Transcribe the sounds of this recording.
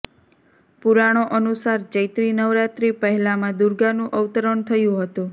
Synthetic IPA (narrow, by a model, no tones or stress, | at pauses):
puɾaɽ̃oʔənusaɾd͡ʒəjt̪ɾinəʋɾat̪ɾipəɦɛlamãd̪uɾɡanũʔəʋt̪əɾəɳt̪ʰəjũɦət̪ũ